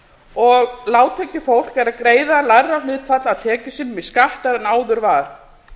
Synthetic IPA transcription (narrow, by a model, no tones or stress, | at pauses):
ɔɣlaːwt̪ʰɛːcɪfowl̥kɛɾaðkɾeːjðalarːalʏːt̪fat̪laðt̪ʰɛːcɪsɪnːmɪskaht̪aɾɛnaːwðʏɾvaːɾ̥